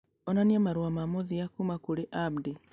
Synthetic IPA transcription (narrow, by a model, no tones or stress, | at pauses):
ɔnaniamaɾuamamoðiakumakuɾeʔabdi